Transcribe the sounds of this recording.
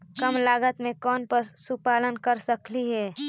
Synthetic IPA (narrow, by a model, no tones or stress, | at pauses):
kəmlaːɡət̪mẽkɔːnpəɾsupaːlənkəɾsəkliɦɛː